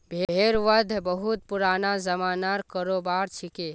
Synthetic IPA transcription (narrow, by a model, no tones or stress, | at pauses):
bʱeeːɾʋəd̪ʱbəɦut̪̚pʊɾaːnazəmaːnaɾkəɾoːbaːɾt͡ʃʰike